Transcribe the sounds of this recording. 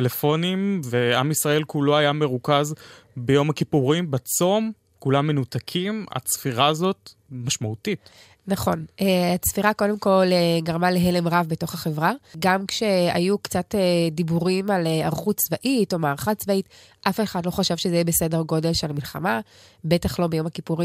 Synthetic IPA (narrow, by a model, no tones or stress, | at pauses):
telefo̞nimveamisʁae̞lkulo̞ajame̞ʁukazbejo̞makipuʁimbat͡so̞m | kulamːe̞nutakʰima̰t͡sfiʁaːzo̞tmaʃmautit | naχo̞nʔeat͡sfiʁako̞de̞mko̞leɡaʁmaleɦe̞le̞mʁavbeto̞χaχevʁaɡamkʃe̞a̰jukt͡satedibuʁimaleaʁχutt͡svaʔito̞maːʁχatt͡svaʔit | ʔafeχadlo̞χaʃavʃezejibese̞de̞ʁɡo̞de̞lʃelamilχama | be̞taχlo̞bejo̞makipuʁi